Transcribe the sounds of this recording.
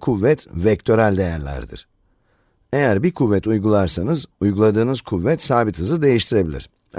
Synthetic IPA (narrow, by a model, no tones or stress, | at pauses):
kʰuvːɛt̪vɛc̚t̪ʰø̞ɾælʲd̪e̞jæɾlʲæ̰ɾd̪ḭɾ̥ | e̞jæɾbikʰuvːɛt̪ʰujɡulˠaɾsanɯzujɡulˠad̪ɯːnɯzkʰuvːɛt̪saːbit̪ʰɯzɯd̪e̞jiʃt̪ʰiɾe̞bilʲḭɾ̥